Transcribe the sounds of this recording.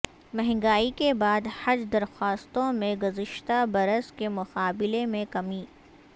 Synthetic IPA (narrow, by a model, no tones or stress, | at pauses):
mɛɦŋɡaːikebaːd̪hɐd͡ʒd̪ɐɾxaːst̪õmẽɡʊzɪʃt̪abɐɾəskemʊqaːbɪlemẽkɐmiː